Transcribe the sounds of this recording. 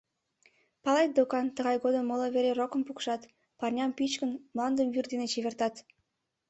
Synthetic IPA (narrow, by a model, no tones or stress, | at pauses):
pɑlɑjt̪̚d̪okɑnt̪əɣɑjɣod̪əmoloβeɾerokə̆mpukʃɑt̪ | pɑrnʲɑmpit͡ɕkənmlɑnd̪əmvyrd̪enet͡ɕeβert̪ɑt̪